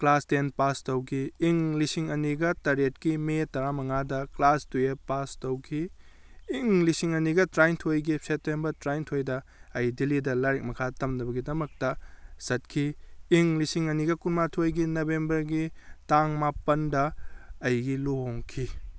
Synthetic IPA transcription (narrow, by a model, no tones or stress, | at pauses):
klastenpastɐwkʰiːŋlisiŋɐniɡɐtɐɾet̚kimetɐɾamɐŋadɐklastuepastɐwkʰiː | ŋlisiŋɐniɡɐtɾajntʰojɡipsetembɐɾtɾajntʰojdɐɐjdilidɐlɐɾek̚mɐkʰatɐmnɐbɐɡidɐmɐk̚tɐsɐt̚kʰiiŋlisiŋɐniɡɐkunmatʰojɡinobembɐɾɡitaŋmapɐndɐɐjɡiloɦoŋkʰi